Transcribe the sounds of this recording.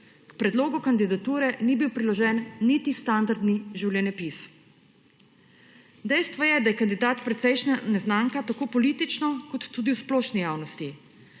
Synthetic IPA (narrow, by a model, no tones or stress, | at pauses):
kpɾɛd̪loːɡukand̪id̪at̪uːɾɛnibiwpɾilɔʒɛːnːit̪ist̪and̪aɾd̪niʒiwljɛnɛpis | d̪ɛjst̪ʋɔjɛd̪ajɛkand̪id̪aːt̪pɾɛt̪sɛjʃnanɛznaːŋkat̪akoːpɔliːt̪it͡ʃnɔkɔt̪ːuːd̪iwsplɔːʃnijaːwnɔst̪i